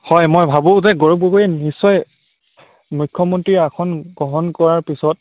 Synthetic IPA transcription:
hɔjmɔjbʱabʊ̃zɛɡɔɹɔp̚ɡokojɛnisːɔj | mujkʰːɔmɔntɹiakʰɔnɡɔɦɔnkɔɹaɹpisɔt̚

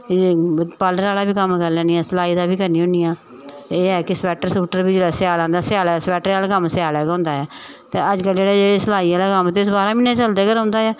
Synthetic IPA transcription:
paːlɖəɾaːlaːbiːkəmkəɾlɛ̃ːniːɛːsəlaːiːd̪aːbiːkəɾniːɦõːniːaː | eːɛːkɪsəpɛːʈəɾsuːʈəɾbiːd͡ʒeːɽaːsɪjaːlãːnd̪aːsɪaːlɛːspɛːʈəɾaːlaːkəmsɪjaːlɛːɡaːɦʊ̃nd̪aːɛː | t̪eːəd͡ʒkəld͡ʒeːɽaːd͡ʒeːɽesəlaːiːaːlaːkəmt̪esbaːɾãːmɪnːeːt͡ʃəld̪eːkəɾɦʊ̃ːnd̪aːjɛː

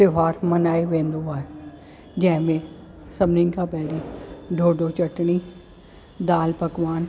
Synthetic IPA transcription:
seʋaːɾmɐnaːiʋẽːnd̪oaː | d͡ʒɐ̃ɦɪ̃mẽ | sɐmninkʰãpɛɦɾiɖʱoːɖot͡ʃɐʈñi | d̪aːlpɐkʋaːn

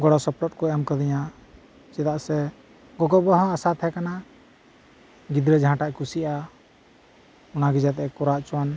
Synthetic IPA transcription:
ɡɔɽɔsɔplɔt̪̚kɔɛmkəd̪ɛja | t͡ʃɛt̪aʔsɛ | ɡɔɡɔbɔɦɔ̃asat̪ʰɛkana | ɡid̪ɾɛd͡ʒɦãʈaʔkusiʔa | unaɡid͡ʒat̪ɛkɔɾaʔt͡ʃwan

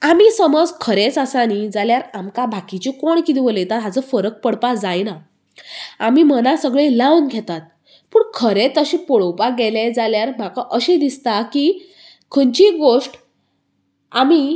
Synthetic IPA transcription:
amisəməd͡zkʰəɾet͡səsanid͡zaljaɾamkabʱakit͡ɕikoɳkit̪iʋolet̪aɦat͡səfəɾək̚pəɽpad͡zajna | amimənasəɡɭelaunɡʱɛt̪at̪̚ | puːɳkʰəɾet͡səɕĩpɔɭəwpaɡeled͡zaljaɾm̤akaʔəɕẽd̪ist̪aki | kʰənt͡ɕiɡoʂʈ | ami

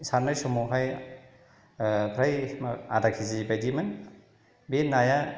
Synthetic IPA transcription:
saɾnajsɔmɔɦaj | pʰɾajmaadakʰizibajdimɯn | benːaja

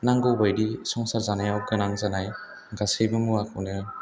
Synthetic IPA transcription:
naŋɡɯwbajdisɔŋsaɾzanajawɡɯnaŋzanaj | ɡasejbɯmuakʰɯwnɯ

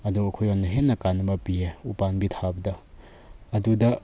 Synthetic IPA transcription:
ɐduɐkʰojonːɐɦenːɐkanːɐbɐpieupanbitʰabɐdɐ | ɐdudɐ

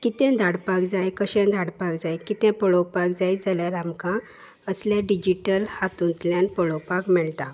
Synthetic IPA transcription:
kit̪ɛ̃d̪ʱaɽpakd͡zajkəɕɛ̃d̪ʱaɽpakd͡zajkit̪ɛ̃pəɭopakd͡zajd͡zaljaɾamkã | əsljãɖid͡ʑiʈəlhat̪ũnt̪ljãnpəɭopakmɛɭt̪a

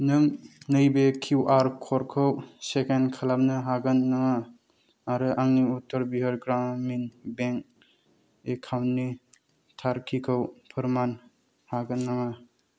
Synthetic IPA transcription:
nɯmnɯjbekʰiwʔaɾkʰɔɾkʰɯwsekenkʰalap̚nɯɦaɡɯnːaŋaː | ɾɯʔaŋniutɔɾbiɦɯɾɡɾamminbeŋk̚ | ekʰawnːi | tʰaɾkʰikʰɯwpʰɯɾman | haɡɯnːaŋa

